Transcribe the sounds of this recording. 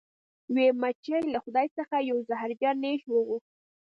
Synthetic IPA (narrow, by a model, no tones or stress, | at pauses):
wemat͡ʃajlaxʊd̪ɑjt͡səxajawzaɦaɾd͡ʒɑnːeʃwəɣux̚